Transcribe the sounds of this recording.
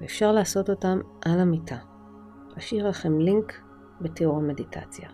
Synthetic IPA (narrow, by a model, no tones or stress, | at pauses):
veːfʃaʁlaːso̞to̞tamʔalamitʰa | laʃiʁlaχemliŋk | beteuʁame̞ditʰa̰t͡sja̰